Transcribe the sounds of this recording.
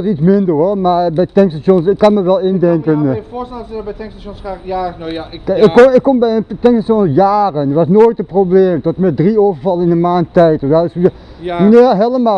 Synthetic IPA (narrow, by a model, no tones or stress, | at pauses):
sitsmɪndərɦɔmaːɹbɛjtɛŋkstaʃonsɪkːɑnməʋɛlˠɪndɛŋkən | s | ɪkɔɪkːɔmbɛjəntɛŋsaʃonsjaːrənəʋɑsnoːjtəprobleːmtɔtmɛdrioːvəɹvɑlˠənɪnəmaːntɛjtɔaɪsə | ʋəneːɦeləmaː